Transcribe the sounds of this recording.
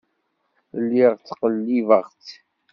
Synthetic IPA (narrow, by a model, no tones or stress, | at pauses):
lːiʁt͡sːqəlːivəʁt͡s